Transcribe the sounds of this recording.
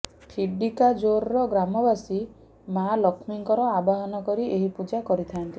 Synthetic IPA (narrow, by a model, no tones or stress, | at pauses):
pʰiɖikad͡ʒoɾɾɔɡɾamɔbasi | malɔkʰmiŋkɔɾɔabaɦɔnɔkɔɾiʔeɦipud͡ʒakɔɾit̪ʰaant̪i